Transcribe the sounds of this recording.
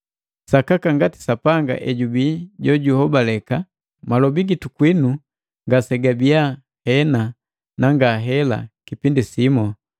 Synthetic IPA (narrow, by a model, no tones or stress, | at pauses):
sakakaŋɡati̥sapaŋɡa̰ʔɛɟubiɟɔɟuhɔbalɛka | malɔbiɡitukwinu | ŋɡasɛɡabia | hɛna | naŋɡaɦɛla̰kipindisimɔ